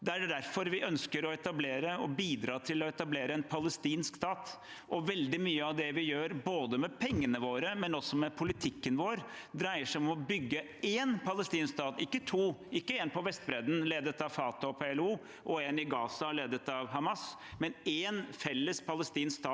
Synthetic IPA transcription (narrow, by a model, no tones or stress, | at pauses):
d̪ɛæɖæɾfɔɾʋɪʔœnskəɾɔɛt̪ɑbleːɾəɔbiːd̪ɾɑːt̪ʰɪlɔɛt̪ɑbleːɾəɛnpʰɑləst̪iːnskst̪ɑːt̪ | ʔɔʋɛld̪ɪmyːəɑʋd̪ɛʋɪjøːɾboːd̪əmɛpʰɛŋːənəʋoːɾəmɛnɔsːɔmɛpʰʊlɪt̪ʰɪkːənʋoːɾd̪ɾæɪəʂæɪɔmɔbʏɡːə | eːnpʰɑləst̪iːnskst̪ɑːt̪ɪkːət̪ʰuːɪkːəeːnpɔʋɛst̪bɾɛd̪n̩leːd̪ət̪ɑʋfɑːt̪ɑɔpʰeɛluː | ʔɔeːnɪɡɑːsɑleːd̪ət̪ɑʋɦɑmɑs | mɛneːnfɛlːəspʰɑləst̪iːnskst̪ɑː